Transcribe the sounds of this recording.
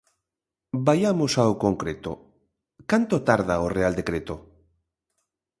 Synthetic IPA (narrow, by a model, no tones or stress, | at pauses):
bajamosaokoŋkɾet̪o̰ | kant̪ot̪aɾðaoreald̪ekɾet̪o